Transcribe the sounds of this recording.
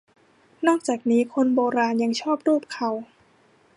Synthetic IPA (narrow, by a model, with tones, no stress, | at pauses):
nɔː˥˩k̚t͡ɕaː˨˩k̚niː˦˥kʰo˧nboː˧ɾaː˧nja˧ŋt͡ɕʰɔː˥˩p̚ɾuː˥˩p̚kʰa˧˩w